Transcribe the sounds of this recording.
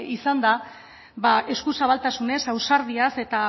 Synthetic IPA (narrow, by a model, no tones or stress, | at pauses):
isand̪a | bae̞skusaβalt̪asune̞sawsaɾð̞iase̞t̪a